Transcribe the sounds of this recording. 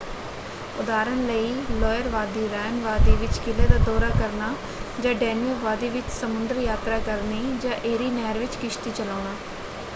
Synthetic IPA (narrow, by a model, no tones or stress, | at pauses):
ʊd̪aːɾənləiːlɔːjəɾʋaːd̪iːɾɛːnʋaːd̪iːʋɪt͡ʃkɪleːd̪aːd̪ɔːɾaːkəɾnaː | d͡ʒãːɖɛːnəʋaːd̪iːʋɪt͡ʃsəmʊnd̪əɾjaːt̪ɾaːkəɾneːd͡ʒãːʔeːɾiːnɛːɾʋɪt͡ʃkɪʃt̪iːt͡ʃəlaːnaː